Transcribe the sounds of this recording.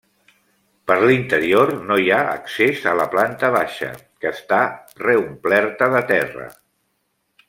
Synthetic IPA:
pəɾlint̪əɾiornojaə̰ksezələplant̪əβ̞aʃə̰ | kəːst̪a | reumplɛɾt̪əðət̪ɛrə̰

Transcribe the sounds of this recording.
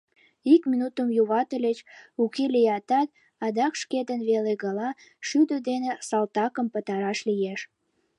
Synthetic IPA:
ikminut̪əmjuβɑt̪əlʲet͡ɕukelijɑt̪ɑt̪̚ | ɑd̪ɑkʃked̪ənβeleɣəlɑʃyd̪əd̪enesɑlt̪ɑkəmpət̪ɑɾɑʃlijeʃ

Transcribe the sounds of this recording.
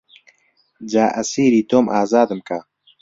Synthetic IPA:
d͡ʒaːʔɐsiːɾiːt̪oːmʔaːzaːd̪ɨmka

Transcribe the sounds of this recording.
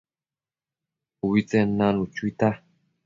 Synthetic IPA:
uwit͡sɛnanut͡ʃuit̪a

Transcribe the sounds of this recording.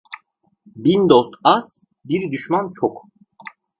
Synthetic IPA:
bind̪ost̪as | biɾd̪yʃmant͡ʃʰok

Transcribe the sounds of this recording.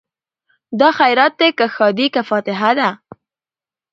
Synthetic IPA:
d̪ɑxajɾat̪̚d̪ekaxɑd̪ikafɑt̪ɪɦad̪a

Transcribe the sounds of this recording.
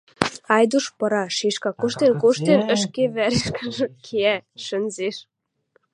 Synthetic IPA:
ɑjd̪uʃpɤ̆ɾɑʃiʃkɑkuʃt̪enkoʃt̪enə̆ʃkeβæɾeʃkəʒə̆kʰeæʃə̆nzeʃ

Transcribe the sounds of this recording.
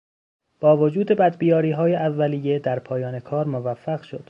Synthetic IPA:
b̥ɒːvod͡ʒuːd̪e̞bæd̪bijɒːɾiːɦɒːjeʔævːæliːje̞d̪æɾpʰɒːjɒːne̞kʰɒːɾmovæfːæɣʃo̞d̪̥

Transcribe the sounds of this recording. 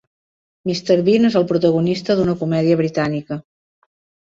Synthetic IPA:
mist̪eɾβinezəlˠpɾut̪əɣunist̪əðunəkumɛðiəβɾit̪anikə

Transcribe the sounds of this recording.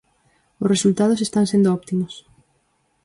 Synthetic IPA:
ʊsresult̪að̞ʊsest̪aŋsẽnd̪oɔpt̪imʊs

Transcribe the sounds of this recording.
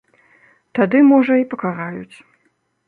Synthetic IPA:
t̪ad̪ɨmɔʐɐipɐkaɾajut͡sʲ

